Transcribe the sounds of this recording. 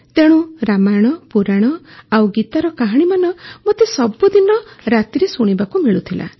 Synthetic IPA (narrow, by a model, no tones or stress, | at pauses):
t̪eɽ̃uɾamajɽ̃ɔpuɾaɽ̃ɔawɡit̪aɾɔkaɦaɽ̃imanɔmot̪esɔbud̪inɔɾat̪iɾesuɽ̃ibakumiɭut̪ʰilʔa̰